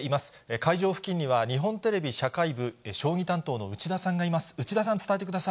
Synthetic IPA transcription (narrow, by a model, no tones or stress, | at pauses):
imasɨ̥ekaiʑo̞ːɸɯ̟̥kʲĩɲ̟ːiβaɲ̟iɦõ̞nt̪e̞ɾe̞bʲiɕakaibɯ̟eɕo̞ːɲ̟ʲit̪ãnt̪o̞ːnoɯ̟t͡ɕid̪asãŋɡaimasɨ̥ɯ̟t͡ɕid̪asãnt͡sɨ̥t̪ae̞t̪ekɯd̪asai